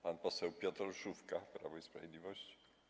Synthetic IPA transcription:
panpɔsɛwpʲjɔt̪ɾɔʂufkapɾa̰vɔispɾa̰vʲjed̪lʲivɔɕt͡ɕi̥

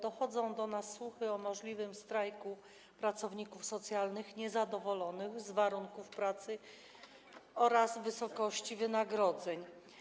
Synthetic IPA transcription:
d̪̥ɔxɔd̪zɔ̃w̃d̪ɔnasːwuxɘɔmɔʐlʲivɘmst̪ɾajku | pɾat̪sɔvɲikufsɔt̪sʲjalnɘxɲɛzad̪ɔvɔlɔnɘxzvaɾuŋkufpɾat̪sɘ | ɔɾazvɘsɔkɔɕt͡ɕivɘnaɡɾɔd̪zɛɲ

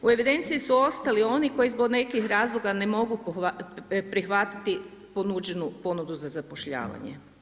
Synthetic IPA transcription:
ue̞ʋid̪e̞nt̪siisuo̞st̪alio̞niko̞jizbo̞ɡne̞kixɾaːzlˠoɡane̞mo̞ɡuapɾixʋat̪i̥t̪i | ponud͡ʑenupo̞nud̪uzazapo̞ʃʎa̰ːʋa̰ɲḛ

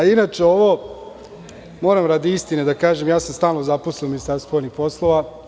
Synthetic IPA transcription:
ainaːt͡ʃe̞o̞ʋo | moːɾamɾad̪iist̪ined̪akaːʒemjaːsamst̪aːlno̞zaposiominist̪aɾsoːlnixpo̞slˠo̞ʋa

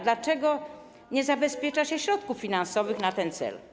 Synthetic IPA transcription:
d̪lat͡ʂɛɡɔ | ɲɛzabɛspʲjɛt͡ʂaɕɛɕɾɔt̪kufːʲinansɔvɘxnat̪ɛnt̪sɛ̰l

